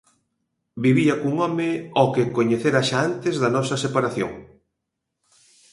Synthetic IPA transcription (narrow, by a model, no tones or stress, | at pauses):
biβiɐkuŋɔmɪɔkekoɲeθeɾaʃaant̪ɪzðɐnɔsɐsepaɾaθjo̰ŋ